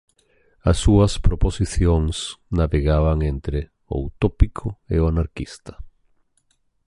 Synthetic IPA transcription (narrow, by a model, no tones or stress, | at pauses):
asːuɐspɾoposiθjoŋsnaβeɣaβ̞aŋent̪ɾe | o̰ut̪opikʰoḛoanaɾkist̪ḁ